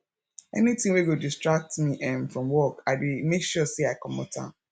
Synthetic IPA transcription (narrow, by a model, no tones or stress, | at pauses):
ɛ̰nitĩŋweɡodistɹak̚tmiʔɛ̃mfɹɔ̃mwɔkaɪdemekʃɔseaɪkɔ̃mɔ̰tʰã̰n